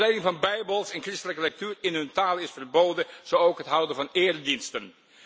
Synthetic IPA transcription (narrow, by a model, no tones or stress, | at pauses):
rɛjdɪŋvɑnbɛjbəlˠsɛnkrɪstələkəlɛk̚tyːrɪnɦɵntaːlɪsfərbowdənz̥owowkɦətɦʌwdənvɑnɪːrədinstən